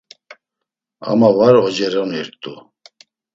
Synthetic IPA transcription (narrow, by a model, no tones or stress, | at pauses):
a̰mavaɾɔd͡ʒɛɾɔniɾt̪ʼu